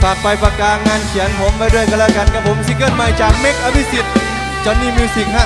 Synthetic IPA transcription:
p̪ʰa˨˩k̚pa˧jpa˧kaː˧ŋaː˧nkʰi˨˦npʰoː˨˦maː˧˩jdu˥˩əjklɛː˧˩ka˧nkʰa˧˩pʰo˨˦msiː˧˦kɤː˧˥˨nma˨˩jt͡ɕaː˨˩k̚me˦˥k̚ʔaː˧bi˧˥si˨˩t̪̚ | t͡ɕɔː˨˧nːiː˥˩miː˧si˨˩ŋ̚ha˧˩

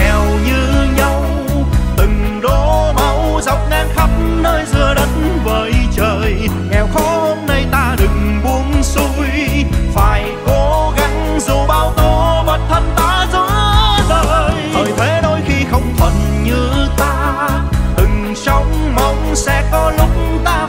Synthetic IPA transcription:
ɛ˨˩wɲɨ˧ɲa˧w | t̪ɨ˨˩ŋɗo˨˧˦ma˨˦wza˨˩wk͡p̚ŋaː˧˩nxə˨˦˥p̚mnəː˧jzɨ˧˩əɗə˨˦nvəː˨˩jt͡ɕəː˨˩jŋɛ˨˩wxɔ˨˦ho˧mna˧jt̪aː˧ɗɨ˨˩ŋɓu˧˦ənsu˧˦jfaː˨˩jko˧˦ɣa˨˦ŋ | zu˨˩ɓaː˧˩wt̪o˧ɓə˨˩t̚t̪ʰə˧nt̪aː˧˥zɨ˧˦zəː˧˨˩jtʰo˨˩jt̪ʰe˨˦ɗo˧˦jxi˧xə˧wŋ͡mt̪ʰwə˨˩nɲɨ˧t̪aː˧ | t̪ɨ˨˩ŋ | sa˨˧wŋ͡mma˧˩wŋ͡msɛ̰˧˥kɔ˨˦lʊ˨˦˥k͡p̚t̪aː˧

